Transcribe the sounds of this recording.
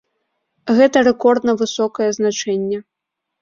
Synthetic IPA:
ɣɛt̪ɐɾɛkɔrd̪nɐvɨsɔkɐjɛznat͡ʂɛnʲːɛ

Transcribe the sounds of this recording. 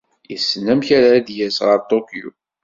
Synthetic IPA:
jəsːnæmçæɾæd̪jæsʁəɾt̪okjṵ

